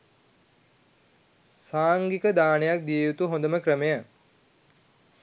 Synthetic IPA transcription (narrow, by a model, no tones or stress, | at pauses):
saːŋɡikəd̪aːnejak̚d̪ijejut̪uɦõnd̪əməkɾəmejə